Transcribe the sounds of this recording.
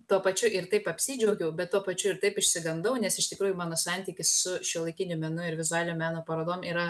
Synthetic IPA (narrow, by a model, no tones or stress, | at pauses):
t̪uɔpɐt͡ʃʲʊʔɪɾt̪ɐɪpɐpʲsʲiːd͡ʒʲɛʊɡʲɛʊbʲɛt̪tːuɔpɐt͡ʃʲʊɪɾt̪ɐɪpɪʃʲsʲɪɡɐnd̪ɐʊnʲɛsɪʃt̪ʲɪkɾuːjʊmɑːnoːsɑnʲt̪ʲiːkʲɪssʊʃʲɛlˠɐɪkʲɪnʲʊmʲɛnʊɪɾʋʲɪzʊɑːlʲɪnʲomʲæːnoːpɐɾoːd̪oːmiːɾɐ